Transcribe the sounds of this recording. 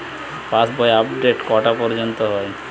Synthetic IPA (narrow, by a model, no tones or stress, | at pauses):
pãsbɔjapɖeʈkɔʈapɔɾd͡ʑɔnt̪ɔɦɔj